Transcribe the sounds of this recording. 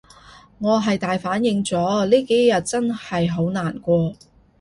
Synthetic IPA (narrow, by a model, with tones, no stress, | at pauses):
ŋɔː˨˧ɦɐ˨jt̪aː˨jfaː˨˥njɪ˨˧ŋt͡sɔː˨˥liː˥ke˨˥jjːɐ˨t̚t͡sɐ˥nhɐ˨jɦo˨˥wnaː˨˩nkʷɔː˧